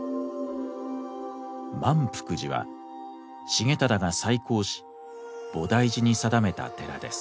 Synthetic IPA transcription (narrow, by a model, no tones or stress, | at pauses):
mãmpɯ̟̥kɯ̟ʑiβa̰ | ɕiɡe̞t̪ad̪aɡasaikʰo̞ːɕi̥ | b̥o̞d̪aiʑiɲ̟isad̪ame̞t̪a̰t̪e̞ɾa̰d̪e̞sɨ̥